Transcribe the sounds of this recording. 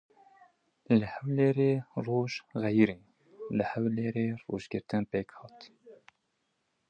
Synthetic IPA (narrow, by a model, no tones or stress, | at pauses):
ləhæwleːɾeːroːʒɣɛjɾiː | ləhæwleːɾeːrṵːʒɡəɾt̪ɨnpeːkhɑːt̪